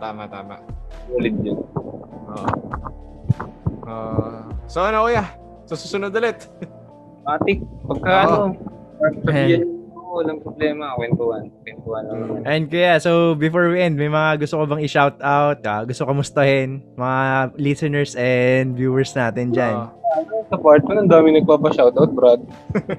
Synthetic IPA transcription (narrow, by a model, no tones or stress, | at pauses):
t̪aːmaʔt̪aːma̰ʔulɪd̪̚d͡ʒɐnʔoʔ | ʔoːʔsoʔonɐʔoja | sosusʊnod̪ɐlɛt̪ | aːt̪ɪpɐɡ̚kaʔɐno | ɐsɐbiːhɐnoɐlɐŋpɾoblɛːmɐkwɛnt̪uhɐnkwɛnt̪uhanɐʔɛnd̪̚kɐjasowbɪfoɹwiʔɛnd̪̚mɐjmɐŋaɡʊst̪okobɐŋɪʃawt̪awt̪̚kaɡʊst̪okɐmʊst̪ɐhɪnmɐŋalisɛnɛɹsɛnd̪vjuːɛɹsnaːt̪ɛnd͡ʒanaʔɐnosɐpaɹt̪̚kɐnɐnd̪aːmɪnɐɡ̚paːpɐʃawt̪awt̪̚bɾad̪̚